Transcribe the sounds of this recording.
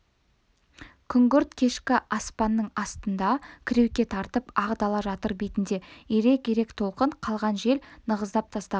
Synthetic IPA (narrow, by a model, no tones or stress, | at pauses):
kʲʰʏŋɡʲʏɾt̪kʲʰe̞ʃkʲɪʔɑspɑnːəɴɑst̪ənd̪ɑkʲʰɪɾe̞wkʲːe̞t̪ʰɑɾt̪əpɑʁd̪ɑlˠɑʒɑt̪əɾbejt̪ɪnd̪e̞jeɾe̞kʲʰeɾe̞kt̪ʰo̞lˠqəɴqʰɑlˠʁɑnʒe̞lnəʁəzd̪ɑp̚t̪ʰɑst̪ɑ